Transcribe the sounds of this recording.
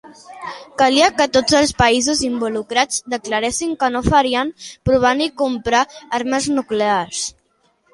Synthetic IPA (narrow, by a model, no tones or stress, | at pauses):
kaliakət̪ozəlˠspəizuzimbulukɾad͡zd̪əklaɾesiŋkənofəɾiəmpɾuβ̞anikumpɾaaɾməznukleaɾs